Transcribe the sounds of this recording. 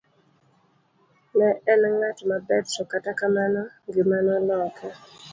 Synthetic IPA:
nɛɛnŋatmabɛdsɔkatakamanɔŋɡɪmanɔlɔkʰɛ

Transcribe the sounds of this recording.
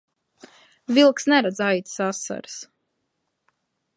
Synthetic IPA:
vilˠksnɛɾad̪zajt̪ʲsasːa̰ɾs

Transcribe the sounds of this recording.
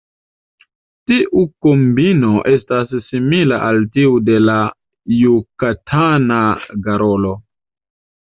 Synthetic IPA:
tiʔukombinoʔe̞stasːimilaʔaltiude̞la | jukatʰanaɡaɾolo̞

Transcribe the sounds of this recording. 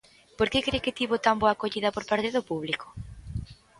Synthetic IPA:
poɾkekɾekɪt̪iβot̪amboɐkoʎiðɐpoɾpaɾt̪eðopuβliko̥

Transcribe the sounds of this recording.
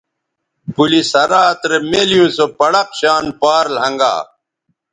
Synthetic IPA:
pulisɐɾaːt̪ɾemeːlijũːsopɐɽɐqɕaːnpaːɾlɦɐ̃ŋɡa̰ː

